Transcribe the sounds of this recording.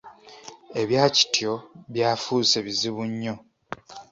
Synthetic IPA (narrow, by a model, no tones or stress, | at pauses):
e̞βjaːci̥tjo̞βjaːfuːse̞βiziβuɲːo̞